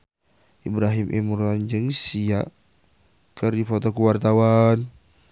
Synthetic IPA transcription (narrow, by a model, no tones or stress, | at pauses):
ʔibɾaɦimʔḭmɾɔnd͡ʒɨŋsia | kərdifɔt̪ɔkuwart̪awan